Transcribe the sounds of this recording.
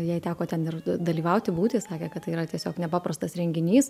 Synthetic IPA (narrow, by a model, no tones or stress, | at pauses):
jɛɪt̪ʲæːkoːt̪ʲɛnɪrd̪ɐlʲiːʋɐʊt̪ʲɪbuːt̪ʲɪːsɑːkʲeːkɐt̪ːɐɪiːɾɐt̪ʲiɛsʲoːknʲɛpɑːpɾɐst̪ɐsɾʲɛŋʲɡʲɪnʲiːs